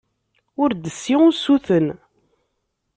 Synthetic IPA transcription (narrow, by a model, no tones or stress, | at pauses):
ʊɾd̪əsːiʊsuθən